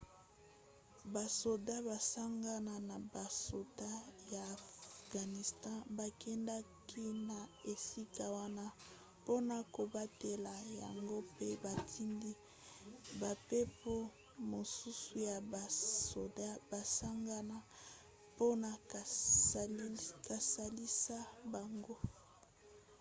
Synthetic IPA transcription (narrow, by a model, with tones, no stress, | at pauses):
ba˨so˨da˦ba˨sa˦ŋɡa˦na˨na˨ba˨so˨da˦ja˨fɡ̥a˨ni˨stɑ̃˦ba˨kʰɛ˦nda˦kʰi˦na˨e˨si˦ka˦wa˦na˦ | po˦na˨ko˨ba˦te˨la˨ja̰˨ŋɡo˦pe˦ba˨tʰi˦ŋɡi˦ | ba˨pe˦po˦ | mo˨su˦su˨ja˨ba˨so˨da˦ba˨sa˦ŋɡa˦na˦ | po˦na˨ | ka˨sa˨li˦sa˦ba˨ŋɡo˦